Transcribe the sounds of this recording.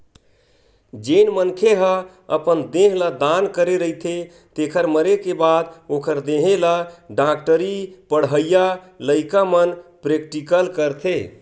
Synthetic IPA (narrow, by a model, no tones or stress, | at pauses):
d͡ʒenmənkʰeɦə | əpənd̪eɦlad̪ankəɾeɾəit̪ʰe | t̪ekʰəɾməɾekebad̪okʰəɾd̪eɦelaɖakʈəɾipəɽ̤ɦəja | ləɪkamənpɾek̚ʈikəlkəɾt̪ʰe